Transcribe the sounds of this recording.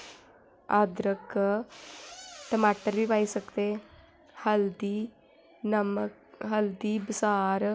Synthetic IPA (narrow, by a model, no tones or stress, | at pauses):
ad̪ɾək | ʈəmaːʈəɾbiːbaːisəkt̪eː | həld̪iː | nəməkɦəld̪iːbɪsaːɾ